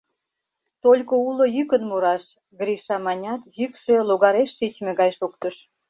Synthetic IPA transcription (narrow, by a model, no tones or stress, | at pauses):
t̪olʲkoulojykənmuɾɑʃ | ɡɾiʃɑmɑnʲɑt̪jykʃeloɣɑɾeʃːit͡ɕmeɣɑjʃokt̪əʃ